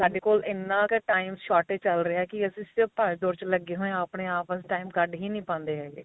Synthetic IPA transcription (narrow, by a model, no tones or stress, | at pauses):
saːɖeːkoːlɪnːãːkeʈaːimsʃɔːʈeːt͡ʃəlɾɪɛːkɪəsĩːsɪpaːɾd̪oːɾt͡ʃləɡːeːɦõːẽaːpɳeːaːpəsʈaːiːmɡəɖɦiːnĩːpãːnd̪eːɦɛːɡḛː